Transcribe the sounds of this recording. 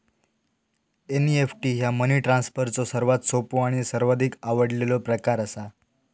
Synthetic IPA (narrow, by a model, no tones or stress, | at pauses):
eniefʈiːɦjaməniʈɾãnsfəɾt͡sosəɾʋat̪sopoaɽ̃isəɾʋad̪ʱikaʋəɽlelɔpɾəkaɾəsa